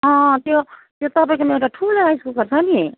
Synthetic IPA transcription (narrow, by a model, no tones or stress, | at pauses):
ʌ̃t̪jot̪jot̪ʌpãĩkomeʈaʈʰuleajskukʌɾt͡sʰãni